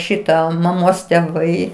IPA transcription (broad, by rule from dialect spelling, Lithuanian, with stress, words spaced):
ˈʃʲɪtɑː mɐˈmoːs tʲɛˈʋɐɪ